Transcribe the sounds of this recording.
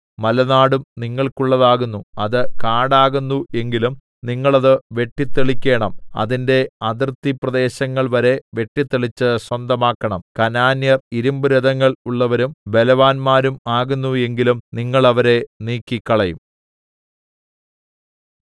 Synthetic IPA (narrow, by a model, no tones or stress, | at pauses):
mɐlɐnaːɽumniŋːɐɭkuɭːɐðaːɣunːuɐðɨkaːɽaːɣunːue̞ŋɡilum | niŋːɐɭɐðɨʋe̞ʈːit̪ːeɭikʲːe̞ːɳɐmɐ̰ðinde̞ɐðirt̪ːiprɐðe̞ːɕɐŋːɐɭʋɐɾe̞ʋe̞ʈːit̪ːeɭit͡ɕːɨswɐnd̪ɐmaːkːɐɳɐmkɐnaːnjɐriɾumbɨɾɐðɐŋːɐɭuɭːɐʋɐɾumbe̞lɐʋaːnmaːɾumaːɣunːue̞ŋɡilumniŋːɐɭɐʋɐɾe̞niːkːikːɐɭɐjṵm